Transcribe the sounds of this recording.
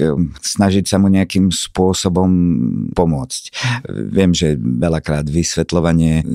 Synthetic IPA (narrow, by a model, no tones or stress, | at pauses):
snaʒicsamuɲɛakimspʊɔsɔbɔmpɔmʊɔt͡scʋɪɛmʒɛʋɛlakɾaːd̪ʋisʋɛt̪lɔʋaɲɪɛ